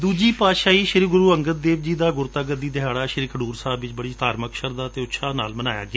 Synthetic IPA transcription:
d̪uːd͡ʒiːpaːʃaːiːʃɪɾiːɡʊɾuːəŋɡət̪̚d̪eːʋd͡ʒiːd̪aːɡʊɾt̪aːɡəd̪iːd̪ɪɦaːɽaːʃɪɾiːkəɖuːɾsaːbʋɪt͡ʃbəɽiːt̪aːɾməkʃəɾd̪aːt̪eːʊtːʃʰaːna̰ːlmənaːja̰ːɡɪaː

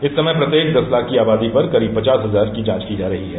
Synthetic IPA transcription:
ɪsːɐməpɾɐt̪jeːk̚d̪ɐslakiaːbaːd̪ipɐɾkɐɾiːb̚pɐt͡ʃaːsɦɐzaːɾkid͡ʒãːt͡ʃkid͡ʒaːɾɐɦiɦɛː

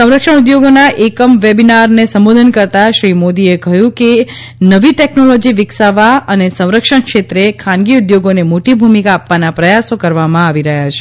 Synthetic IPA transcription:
sə̃w̃ɾəkʃəɳ̃ud̪joɡonaʔekəmʋebinaɾnesəmbod̪ʱənkəɾt̪aʃɾimod̪iekəɦjũke | nəʋiʈeknolod͡ʒiʋɪksaʋaənesə̃w̃ɾəkʂəɳkʃet̪ɾekʰãnɡiud̪joɡonemoʈibʱumikaːpʋanapɾəjasokəɾʋamãaʋiɾəɦjat͡ʃʰe̥

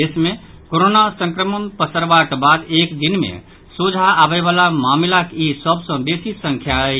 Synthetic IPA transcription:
esmẽ | koɾonasə̃ŋkɾəmənpəsəɾbakbad̪ekd̪inmḛ̃ | sud͡ʒʱaːbɛβalamamlakisəbsə̃besisə̃ŋkʰjaɛ

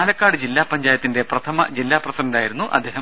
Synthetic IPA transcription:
lɐkːaːɽɨd͡ʑilːaːpɐɲd͡ʑaːjɐt̪ːinde̞prɐt̪ʰɐmɐd͡ʑilːaːprɐsɐdɐndaːjiɾunːuʔɐd̪ʱːeːɦɐ

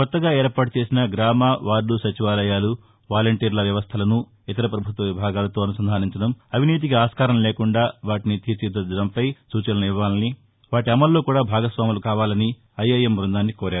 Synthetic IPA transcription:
kɔt̪ːɐɡaːeːɾpaːʈut͡ʃe̞ːsinɐɡɾaːmaːʋaːɾlusɐt͡ʃiʋaːlɐjaːlu | ʋaːlɐɳʈiːɾlɐʋjɐʋɐst̪ʰɐlɐnu | it̪ɐɾɐpɾɐbʱut̪ʋɐʋibʱaːɡaːlɐt̪o̞ːɐnusɐnd̪ʱaːniɲt͡ʃɐɽɐmɐʋiniːt̪̬ikiaːskaːɾɐmle̞ːkuɳɖaːʋaːʈinit̪iːt͡ʃid̪ːɐd͡ʒ̪ɐɽɐmpɐjsuːt͡ʃɐnɐniʋːaːlɐni | ʋaːʈiɐmɐlːo̞ːkuːɽaːbʱaːɡɐsʋaːmulukaːʋaːlɐni | ɐjːɐjemɾund̪aːnːikoːɾaːɾu

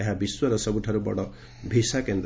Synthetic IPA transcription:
eɦabiswɔɾɔsɔbʱuʈʰaɾubɔ̰ɽɔ | bʱisakend̪

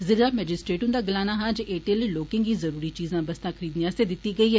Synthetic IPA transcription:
zɪɾɡaːmɛːd͡ʒɪsʈɾeːʈʊ̃nd̪aːɡɪlaːnaːɦãd͡ʒʔeːʈeːlloːkɪ̃ŋɡiːzəɾuːɾiːt͡ʃiːzãːbəst̪ãːkʰəɾiːd̪nijãːsed̪ɪt̪ːiːɡəiːɦɛː

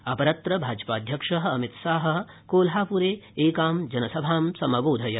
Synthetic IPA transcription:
ɐpɐɾɐt̪ɾɐbʱaːd͡ʒpaːd̪ʱjɐkʂɐɦɐɐmit̪saːɦɐ̆ | koːlɦaːpuɾeːeːkaːmd͡ʒɐnɐsɐbʱaːmsɐmɐboːd̪ʱɐjɐ

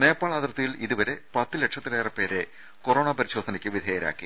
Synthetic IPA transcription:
neːpːaːɭɐd̪rɐt̪ːujiliðuʋɐɾe̞pɐt̪ːɨleʈʂɐt̪ːileːrɐpːe̞ːɾe | koro̞ːɳɐpɐɾiɕo̞ːd̪ʱɐnɐkʲːɨʋid̪ʱeːjɐɾa̰ːkːḭ

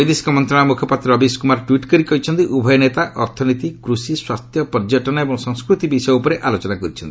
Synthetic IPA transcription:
jd̪isi̥kɔmɔnt̪ɾaɽ̃ɔmukʰɔpat̪ɾɾɔbiskumaɾʈwiʈkɔɾikɔɦit͡ʃʰɔnt̪iʔubʱɔjɔnet̪aʔɔɾt̪ʰɔnit̪ikɾusiswast̪ʰjɔpɔɾd͡ʒɔʈɔnaebɔŋsɔŋskɾut̪ibisɔjupɔɾeʔalot͡ʃɔnakɔɾit͡ʃʰɔnt̪i̥

